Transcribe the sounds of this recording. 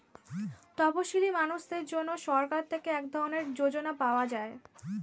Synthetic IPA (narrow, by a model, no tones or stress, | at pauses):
t̪ɔpoʃilimanuʃd̪eɾd͡ʑonːoʃɔɾkaɾt̪ʰekeɛkd̪ʱɔɾoneɾd͡ʑod͡ʑonapaoad͡ʑae